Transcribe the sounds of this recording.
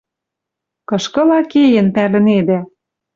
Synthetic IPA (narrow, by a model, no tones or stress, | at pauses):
kɤ̆ʃkɤ̆lɑkejĕnpælɘ̆ned̪æ